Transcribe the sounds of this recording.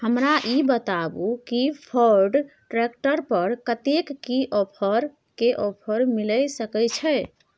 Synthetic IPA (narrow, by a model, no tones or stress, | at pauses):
həmɾaʔibət̪abukipʰəɾɖʈɾekʈəɾpəɾkət̪ekːiʔɔpʰəɾ | keʔɔpʰəɾmiləjsəkɛt͡ʃʰɛj